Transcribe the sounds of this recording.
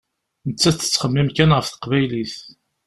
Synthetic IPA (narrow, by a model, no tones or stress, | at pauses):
nət͡sːæt͡sːə̥t͡sːχəmːimkænʁəfθə̥qvæjliθ